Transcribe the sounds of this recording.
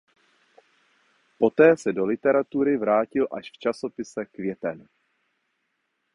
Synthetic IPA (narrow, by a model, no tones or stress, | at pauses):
po̞t̪ɛːsɛdo̞lɪt̪ɛɾat̪uɾɪvɾaːcɪlʔa̰ʃft͡ʃaso̞pɪsɛkvjɛt̪ɛn